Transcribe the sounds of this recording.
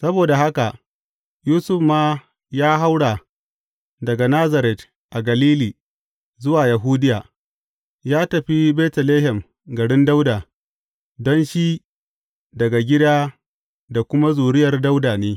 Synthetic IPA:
sɐ˦boː˨da˨ha˦ka˨ | juː˦sʊ˦˨ɸmaː˦ | jaː˦ɦa˦wɽa˨ | dɐ˨ɡa˨naː˦za˨ɾɛ˨t | ʔa˨ɡɐ˨liː˦liː˨ | zʊ˦waː˨ja˨ɦuː˦dɪ˦jaː˨ | jaː˦tɐ˨ɸi˦bɛː˦tɛ˨leː˦ɦɛ˨m | ɡɐ˨ɽɪ˦nda˦wdaː˨ | dɔ˦nʃi˦ | dɐ˨ɡa˨ɡʲɪ˦daː˦ | da˨kʷʊ˦ma˦zuː˨ɽɪ˦jɐ˨rda˦wdaː˨neː˦

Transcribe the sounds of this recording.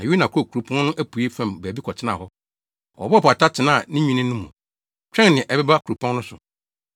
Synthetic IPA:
a˨ju˦nã˨kʰo˨kʰu˨ɾu˨pʰɔ̃˦nnʊ̃˦ʔæ˦pu˨e˦fɛ̃˨mbæː˨bi˦kʰɔ˨tʰɪ˦nã̰˦˨hɔ˦ | ɔ̰˨bɔ˦˨pa˨tʰa˦tʰɪ˨nã˦˨nĩ˦ɲᶣĩ˦nɪ̃˦nʊ̃˦mũ˨ | t͡ɕᶣɛ̃˦n˨nɪ̃˨ʔɛ˨bɛ˦ba˦kʰu˨u˨pʰɔ̃˦nnʊ̃˦sʊ̰˨

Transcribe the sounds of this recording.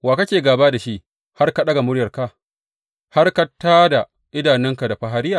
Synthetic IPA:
waː˨ka˦kʲeː˨ɡaː˨baː˦da˨ʃi˦ʔ | ha˦rka˦ɗɐ˦ɡa˨mʊ˦ɽjɐ˨rka˦ | ha˦rka˦tːaː˦da˨ | ʔɪ˦daː˨nɛ˦ŋka˨da˨ɸa˨ɦa˦ɾɪ˦jaː˨

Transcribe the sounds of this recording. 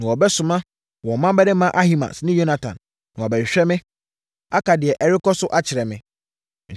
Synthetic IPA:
nã˨wɔ˨bɛ˦sʊ̃˨mã˦˨ | ɔ˨mã˦bɛ˦dɪ˦mã˦ʔa˦hi˦mã̰˨snɪ̃˦jo˦na˨tʰã̰˨n | nã˨ɔ˨bɛ˨ɕᶣɛ˦mɪ̃˦ | a˦kʰa˨dɪ˨ɛ˨ʔɛ˨ɾɪ˦kɔ˦sʊ˦ʔa˦t͡ɕʰɪ˨ɾɛ˨mɪ̃˨ | ɲ̩˨

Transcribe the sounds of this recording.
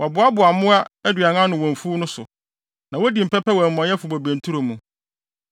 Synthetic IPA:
wʔɔ˨bʊ˨˦a˦bʊ˨a˨mʊ̃˦a˦æ˦dɥa˨ŋã˦nʊ̃˨wɔ̃˨ɱ˨fu˦nʊ̃˦sʊ̰˨ | nã˨wɔ˦di˨m̩˨pɛ˦pɛ˦wɛ̃˨m̩˨mɔ̃˨˦ɛ˦fʊ˨bo˨bæ̃˨n̩˨tʰu˦ɾo˨mũ˨

